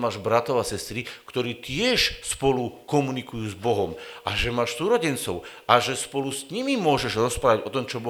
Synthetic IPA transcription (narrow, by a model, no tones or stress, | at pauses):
maːʒbɾat̪ɔʊasɛst̪ɾikt̪ɔɾiːt̪ɪɛʃspɔlukɔmunikujuːzbɔɦɔmʔaʒɛmaːʃsuːɾɔɟɛnt͡sɔʊʔaʒɛspɔlusɲimimʊɔʒɛʒɾɔspɾaːʋaɟɔt̪ɔmt͡ʃɔbɔ